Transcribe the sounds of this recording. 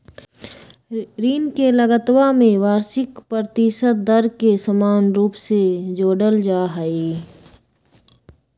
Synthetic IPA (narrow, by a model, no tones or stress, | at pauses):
ɾiːnkeləɡət̪wamẽʋaːɾsɪkpɾɾət̪ɪsət̪̚d̪əɾkesəmaːnɾuːpsed͡ʒoːɖəld͡ʒaːɦəeː